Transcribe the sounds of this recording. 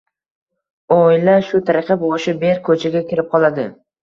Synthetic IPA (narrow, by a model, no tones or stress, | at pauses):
ojlaʃʊt̪ʰaɾɪqʰɑboɪʃɪbeɾkʰɵt͡ʃʰaɡʲakʲɪɾɪp̚qʰɒlˠad̪ɪ